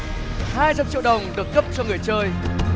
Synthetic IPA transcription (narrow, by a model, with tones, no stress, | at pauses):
haː˧jt͡ɕa˧mt͡ɕḭ˧˨wɗə˨˩wŋ͡mɗɨ˨˩ək̚ːə˦˥p̚t͡ɕɔ˧ŋɨ˨˩əjt͡ɕəː˧j